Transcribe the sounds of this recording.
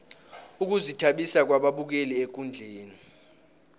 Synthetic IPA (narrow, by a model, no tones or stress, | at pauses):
uk̬uzitʰaɓisak̬waɓaɓuk̬eliek̬ʼund͡ɮʱeːni